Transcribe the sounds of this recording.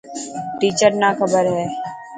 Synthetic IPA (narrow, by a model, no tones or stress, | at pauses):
ʈiːt͡ʃəɾnakʰəbəɾɦɛː